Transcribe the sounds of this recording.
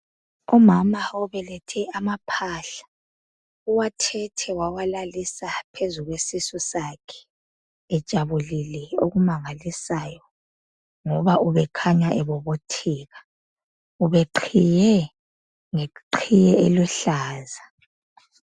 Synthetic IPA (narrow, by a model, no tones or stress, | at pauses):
ɔmamaɔβɛlɛtʰɛamapʰaɬḁ | uwatʰɛtʰɛwawalalisapʰezuɣwesisɔsakʰɛ̥ː | d̥ʒ̥ʼʱaβulilɛo̰ɣumaŋalisajɔ | ŋɔβauβɛkʰaɲwaʔɛβɔβotʰiːɣa | uβɛǃʰijɛ | ŋeǃʰijɛɛlwɛɬaːza